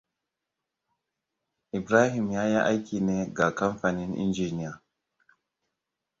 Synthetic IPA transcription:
ʔi˨bɾa˦ɦi˨mja˦ja˦ʔa˦jki˨ne˦ɡa˨ka˦mfa˨ni˦nḭ˦nd͡ʒi˨ni˦a˨

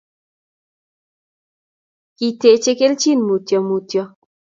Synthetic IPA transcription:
ki˨te˨t͡ʃe˦ke˦lt͡ʃi˦˨nmu˨tjɔ˨mu˨tjɔ˨

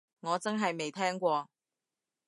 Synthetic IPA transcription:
ŋɔː˨˧t͡sɐ˥nɦɐ˨jme˨jt̪ʰɛː˥ŋkʷɔː˧

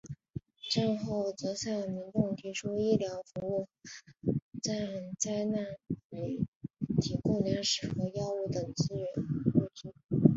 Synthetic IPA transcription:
ʈ͡ʂa˥˧nxo˥˩ʊt͡sɤ˧˥ɕjɑ˥˩mi˧˥nʈ͡ʂʊ˥˩ŋt̪ʰi˧˥ʈ͡ʂʰu˥i˥˩ljɑ˧˥ʊfu˧˥u˥˩ | t͡sa˥˩ɪt͡sa˥ɪna˥˩ni˧˥ɪt̪ʰi˧˥kʊ˥˩lja˧˥nʂɻ̩˨˩xɤ˧˥jɑ˥u˥˩t̪ɤ˨˩ŋt͡sɹ̩˥ɥɛ˧˥nkwɔ˥˧ʈ͡ʂi˥˩

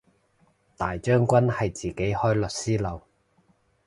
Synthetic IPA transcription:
t̪aː˨jt͡ʃœː˥ŋkʷɐ˥nhɐ˨jt͡siː˨ke˨˥jhɔː˥jlɵ˨t̚siː˥lɐ˨˧w

